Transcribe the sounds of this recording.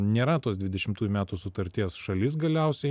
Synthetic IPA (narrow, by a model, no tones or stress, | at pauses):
nʲeːɾɐt̪oːsd̪ʲʋʲɪd̪ʲɛʃʲɪmt̪uːjumʲæːt̪uːsʊt̪ɐɾʲt̪ʲiɛsʃɐlʲɪs̬ɡɐlʲɛʊsʲɛɪ